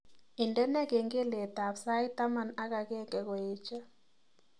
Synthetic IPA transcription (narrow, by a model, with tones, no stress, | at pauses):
i˨ndɛ˦nɛ˦kɛ˨ŋɡɛ˦lɛ˨ta˨psa˦i˦ta˦ma˨na˦ka˨kɛ˦ŋɡɛ˨kweː˦t͡ʃa˦